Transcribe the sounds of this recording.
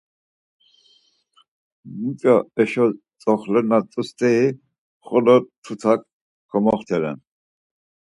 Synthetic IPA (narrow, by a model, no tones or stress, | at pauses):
mikʼaɛʃɔ | t͡sʼɔχlɛɾnat͡sʼust̪ʰʼɛi | χɔlɔt̪ʰut̪ʰak | kʰɔmɔχt̪ʰɛɾɛ̰n